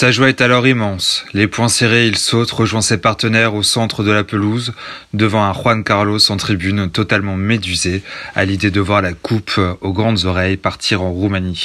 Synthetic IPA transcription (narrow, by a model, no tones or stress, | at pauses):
saʒwaɛt̪alɔʁimɑ̃slepwɛ̃seʁeilsot̪ʁəʒwɛ̃sepaʁt̪ənɛʁosɑ̃t̪χəd̪əlapəluzd̪əvɑ̃ɛ̃χwankaʁlosɑ̃t̪χibynt̪ɔt̪almɑ̃med̪yzealid̪ed̪əvwaʁlakupʰoɡʁɑ̃d̪zɔʁɛjpaʁt̪ʰiʁɑ̃ʁumani